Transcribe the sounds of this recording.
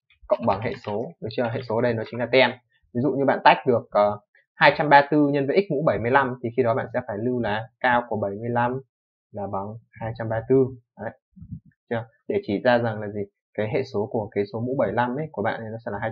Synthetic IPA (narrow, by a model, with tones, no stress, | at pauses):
kə̰˧˨wŋ͡mɓa˨˦ŋɦḛ˧˨so˨˦ə˨˦t͡ɕɨ˧˨˩ɦḛ˧˨so˨˦ɗə˧jnɔ˨˦t͡ɕŋ̟laː˨˩t̪ɛ˧m | vi˨˦zṵ˧˨ɲɨ˧ɓa̰ː˧˨nt̪a˦˥jk̟̚ɗɨ˨˩ək̚ʔəː˨˩ | haː˧jt͡ɕa˧mɓaː˧t̪ɨ˧ɲə˧nvə̰˧˥ʔi˦˥k̚mṵ˧˥ɓə˧˩jmɨ˧jla˧mt̪ʰi˨˩xi˧ɗɔ˨˦ɓa̰ː˧˨nsɛ̰˧˥faː˧˩jlɨ˧wlaː˨˦kaː˧wku˧˩əɓə˧˩jmɨ˧əjla˧m | laː˨˩ɓa˨˦ŋhaː˧jt͡ɕa˧mɓaː˧t̪ɨ˧əː˨˦j | t͡ɕa˧ɗe˧˩t͡ɕi˧˩zaː˧za˨˩ŋlaː˨˩zi˨˩ | kaː˨˦jɦḛ˧˨so˨˦ku˧˩əkaː˨˦jso˨˦mṵ˧˥ɓə˧˩jla˧mʔə˨˦jku˧˩əɓa̰ː˧˨nʔə˨jnɔ˨˦sɛ̰˧˥laː˨˩ɦaː˧